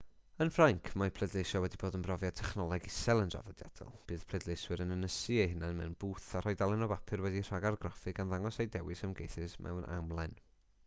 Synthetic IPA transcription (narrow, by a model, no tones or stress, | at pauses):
ənfraŋkʰmapʰlˠɛdlˠejʃɔwɛdiboːdənbrɔvjatʰɛχnɔlˠaɡɪsɛlˠəndra̰vɔdja̰d̥ɔ̰lˠb̥ɨːð̥pʰlˠɛdlˠejswɨɾənənəsɨejɦɪnanmɛ̰wnbuːθar̥ɔjdalˠɛnɔbapʰɨrwɛdir̥aɡarɡrɔfɨɡanðaŋɔsejdɛwɨsamɡejθɨsmʔɛ̰wnʔa̰mlˠan